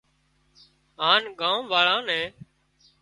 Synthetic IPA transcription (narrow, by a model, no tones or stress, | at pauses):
ɦaːnɡãːũːʋaːɭãːnɛ̃ː